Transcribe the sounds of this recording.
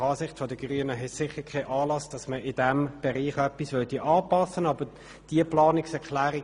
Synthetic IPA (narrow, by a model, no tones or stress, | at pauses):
ɑːsɪχtfɔdəɡ̥ʁyːənəɦɛtsɪχəkʰaʔɑːlɑsd̥ɑsməɪdɛmb̥ɛʁiːχœpːisvøtiʔɑːpɑsənɑb̥ə | d̥iəplɑːnɪksɛʁkʰlæːʁɪ